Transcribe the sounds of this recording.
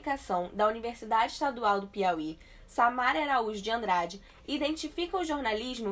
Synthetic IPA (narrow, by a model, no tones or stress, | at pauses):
ikasɐ̃w̃d̪ɐuniveɾsid̪ad͡ʒɪiʃt̪ad̪uawd̪ʊpiawi | samaɾɐɾauʒd͡ʒɪɐ̃nd̪ɾad͡ʒɪ | id̪ẽnt͡ʃifikɐʊʒoɾnaliʒmʊ